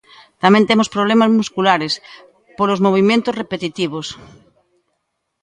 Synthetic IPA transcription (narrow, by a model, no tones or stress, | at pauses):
t̪amẽnt̪emospɾoβlemazmuskulaɾes | polozmoβ̞imjẽnt̪osrepet̪it̪iβ̞os